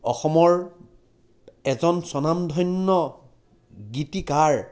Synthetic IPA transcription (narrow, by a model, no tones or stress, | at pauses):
ɔxɔmɔɹ | ɛzɔnsɔnamdʱɔjnːɔ | ɡitikaɹ